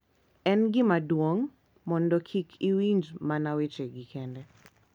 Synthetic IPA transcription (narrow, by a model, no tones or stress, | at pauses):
ɛnɡɪmadwoŋ | mɔndɔkʰikʰiwind͡ʒmanawet͡ʃeɡikʰɛndɛ